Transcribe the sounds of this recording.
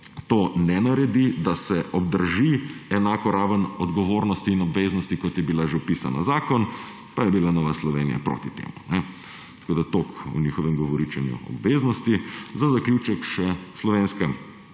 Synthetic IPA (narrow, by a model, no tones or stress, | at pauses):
t̪oːnɛnaɾɛd̪id̪asɛʔɔbd̪əɾʒiɛnaːkɔɾaːʋənɔd̪ɡɔʋoːɾnɔst̪iːnɔbʋeːznɔst̪ikɔt̪jɛbilaʒewpiːsa̰na̰zaːkɔn | pajɛbilanɔːʋaslɔʋeːnḭja̰pɾo̰ːt̪it̪ḛːmunɛ | t̪ḁkoːd̪at̪oːkṵnixɔʋɛmɡɔʋɔɾit͡ʃɛnjṵɔ̰bʋeːznɔst̪izazaklʲjut͡ʃɛkʃɛslɔʋeːnskɛ